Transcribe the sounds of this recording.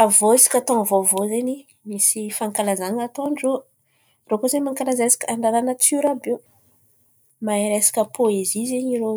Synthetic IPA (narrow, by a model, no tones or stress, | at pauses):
avoisi̥kʲət̪oŋəvovozeɲi | misifaŋkalazaɲat̪oanɖ͡ʐo | rokozemaŋkalazaesi̥kaɳɖ͡ʐaɾanat͡suɾabe | maiɾesi̥kəpʰoezizeɲiɾo